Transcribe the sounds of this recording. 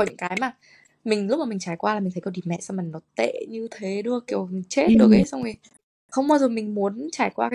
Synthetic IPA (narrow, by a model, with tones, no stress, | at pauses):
kɔ˨˩ɲɨ̰˧˥ŋkaː˨˦jmaː˨˩ | mï˨˩ŋ̟lk͡p̚maː˨˩ï˨˩t͡ɕaː˧˩jkwaː˧la˨˩mi̟˨˩t̪ʰkːɗi˨˩mɛ̰˧˨sa˧ma˨˩ŋnɔ˨˦t̪ḛ˧˨ɲɨ˧t̪ʰe˨˦ɗɨ˧əki˧˩əwt͡ɕe˦˥t̚ɗɨ˨˩kɣe˨˦sa˧wŋ͡me˨˩˨ | xə˧wŋ͡mɓaː˧wzo˨˩mï˨˩ŋ̟mu˨˦ənt͡ɕaː˧˩jkwaː˧kaː˨˦